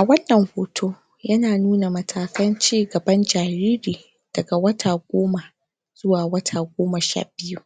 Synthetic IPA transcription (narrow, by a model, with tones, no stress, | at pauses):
ʔʔa˨wɐ˦nːɐ˨ŋhoː˨tʰoː˦ | jɐ˦naː˨nuː˦na˨mɐ˨tʰaː˨kɐ˦nt͡ʃiː˦ɡɐ˨bɐ˦nd͡ʒaː˨ɾiː˦ɾiː˨ | d̥ɐ˨ɡa˨wɐ˦tʰaː˨ɡʷoː˦ma˨ | z̥ʊ˦waː˨wɐ˦tʰaː˨ɡʷoː˦ma˨ʃa̰ː˦˨bɪ˦ju˦ʔ